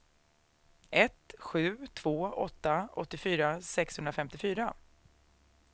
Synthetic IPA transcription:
ʔɛt̪ɧʉ̟ːt̪ʰv̥oːɔ̰t̪ːaɔt̪ːɪfyːɾasɛkshɵnɾafɛmt̪ɪfyːɾa

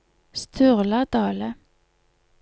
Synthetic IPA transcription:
st̪ʰʉʁlɑd̪ɑːlə

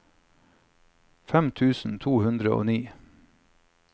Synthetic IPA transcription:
fɛmt̪ʰʉːsn̩t̪ʰuːhʉnd̪ɾəo̰ːniː

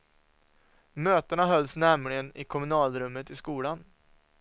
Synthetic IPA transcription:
møːt̪əɳaɦœlːsnɛɾmlɪɡənɪkʰɔmɵnɑːlɾɵmːət̪ɪskuːlan

